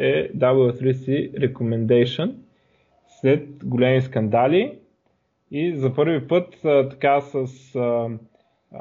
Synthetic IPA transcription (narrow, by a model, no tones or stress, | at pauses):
ɛd̪ablˠəθɾisiɾɛkomɛnd̪ɛjʃən | slɛt̪̚ɡolʲɛmiskɐnd̪alʲi | izɐpɤɾvipɤt̪ːt̪ɐ̥kasəs